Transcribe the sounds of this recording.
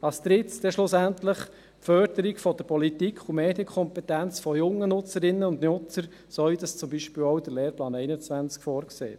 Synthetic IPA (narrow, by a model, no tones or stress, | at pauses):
ɑst̪ɾɪt͡sd̥̪ɛʃlʊsænt̪ləχ | fœɾd̥̪əɾikfɔd̥̪əɾpɔlitikʰχumeːd̥jəkʰɔmpɛt̪ænt͡sfɔjʊŋːənʊt͡səɾɪnːəʊnd̪nʊt͡səɾ | sɔɥjd̪ɑst͡sʊmbiʃpiːwɔwd̥̪əɾleːɾplɑːnɛɪnət͡sʋænt͡skfɔːɾksḛːt